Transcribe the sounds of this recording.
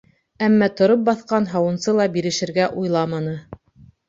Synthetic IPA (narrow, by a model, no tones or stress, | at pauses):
æmːæt̪ŏɾop̚bɑθqɑnɦɑwɤ̆nsɤlˠɑbiɾɘ̆ʃɘ̆ɾɡæʔujlˠɑmɑnɤ